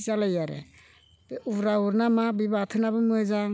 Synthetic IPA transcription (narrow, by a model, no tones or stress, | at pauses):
zalajaɾḛ | b̥ubɾauɾnamabibatʰɯnabɯmɯezaŋ